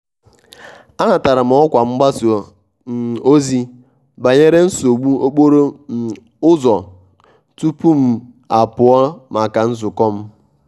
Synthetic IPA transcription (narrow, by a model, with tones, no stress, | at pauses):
a˦na˨ta˨ɾa˨m̩˨˦ɔ˦kʷa˨ŋ͡m̩˦ɡ͡ba˦s | m̩˨o˦zi˦ | ba˨ɲe˦ɾe˦n̩˦so˨ɡ͡bu˦o˦k͡po˦ɾo˦˨ | ʊ˦zɔ˨ | tu˦pu˦m̩˦ | a˨pʊ˨ɔ˦ma˨ka˨n̩˦zʊ˨kɔ˦m̩˦